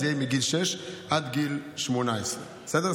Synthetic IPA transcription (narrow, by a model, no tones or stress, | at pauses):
jɛjmiɡilʃɛʃʔad̪ɡilʃmonaesʁe | sɛd̪ɛ